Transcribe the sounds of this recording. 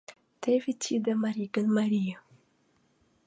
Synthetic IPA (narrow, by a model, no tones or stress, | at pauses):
t̪evitʰid̪əmaɾiɡənmaɾiə